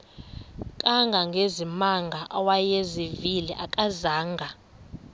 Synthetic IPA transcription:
kʼaŋɡʱaŋɡʱezimaŋɡʱaʔawajeziviliʔakʼazaːŋɡʱa

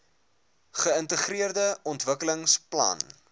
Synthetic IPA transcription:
χəəntəχriərdəɔntvəkələŋsplɐ̰n

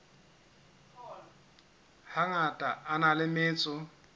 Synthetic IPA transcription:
haŋatʼaanalɪmɪːt͡sʼɔ

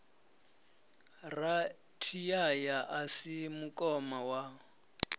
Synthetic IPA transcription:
ra | tʰijajaʔasimukʼɔmawa

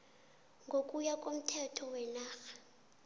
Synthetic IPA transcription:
ŋɡʱokʼujakʼom̩tʰɛtʰɔwɛnaːxḁ

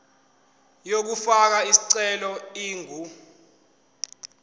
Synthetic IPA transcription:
jok̬ufak̬aisi̥ǀɛlɔiːŋʱu

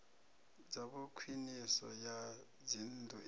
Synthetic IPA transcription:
d͡zaɓukʰwinisɔ̰ja | d͡zindʱɔ

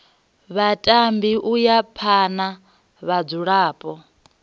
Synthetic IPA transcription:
βatʼambiʔujapʰana | βad͡zuɺaːpʼɔ

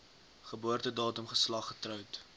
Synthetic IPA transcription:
χəbuərtədɑːtumχəslɐχːətrœwt

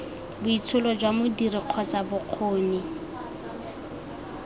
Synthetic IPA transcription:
bʊit͡sʰʊlɔd͡ʒwamʊdiriq͡χʰɔt͡sabʊq͡χʰoːni

